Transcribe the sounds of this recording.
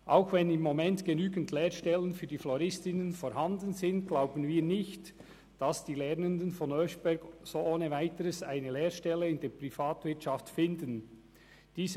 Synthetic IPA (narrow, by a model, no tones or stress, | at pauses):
ʔaʊxvɛnɪmːomɛntɡ̥enyːɡən̩tʰleːʁʃtɛlənfyːd̥iːflɔɾɪstɪnənfɔɾhɑndənzɪntɡ̥laʊbənviːɐnɪçt | d̥ɑsd̥iːlɛʁnəndənfɔnœsb̥ɛɾɡsoːʔoːnəvaɪtəɾəsaɪnəleːɾʃtɛlːəɪndeːpʁ̥ifaːtvɪtt͡ʃaftfɪndən | d̥iːz